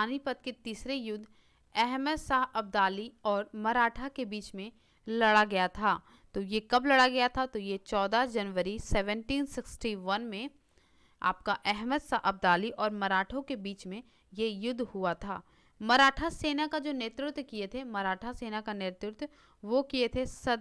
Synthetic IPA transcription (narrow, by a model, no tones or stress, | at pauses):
aːnipət̪̚ket̪iːsɾejʊd̪ʱː | ɛɦməd̪saːɦɐb̚d̪aːliɔːɾmɐɾaːʈʰakebiːt͡ʃmẽ | lɐɽaɡɐjat̪ʰaː | t̪ojekɐblɐɽaɡɐjat̪ʰat̪ojet͡ʃɔːd̪ad͡ʒɐnʋəɾisɛʋə̃ɳʈiːnsɪksʈiʋɐnmẽ | a̰ːp̚kaʔɛɦməd̪saɦɐb̚d̪aːliʔɔːɾmɐɾaːʈʰõkebiːt͡ʃmẽ | jejʊd̪ʱːhuat̪ʰa̰ː | mɐɾaːʈʰaseːnakad͡ʒoːneːt̪ɾɪt̪kiet̪ʰemɐɾaːʈʰaseːnakanɪɾt̪ɾɪt̪ | ʋokiet̪ʰesɐd̪